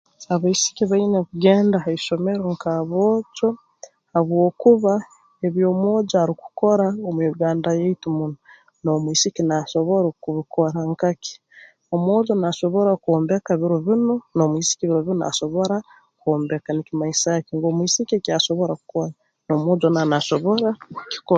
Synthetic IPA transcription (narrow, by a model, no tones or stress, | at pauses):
aβaisi̥kiβainakuɡeːndahaiʃo̞meɾoŋkaβoːt͡ʃo | aβwo̞ːkuβa | eβjoːmwo̞ːd͡ʒaɾiku̥ko̞ɾaomuiuɡaːndajeitumuno | no̞mwisikinaso̞βoɾokuβikoɾaŋkakʰi̥ | omwoːd͡ʒonaʃo̞βo̞ɾakuoːmbekaβiɾoβinonomwiːsi̥kiβiɾoβinoa̰ʃo̞βoɾa | koːmbekanikimaisakiŋɡoːmwiːsikiekiaʃo̞βo̞ɾaku̥koɾa | nomwod͡ʒonanaʃo̞βo̞ɾakki̥ko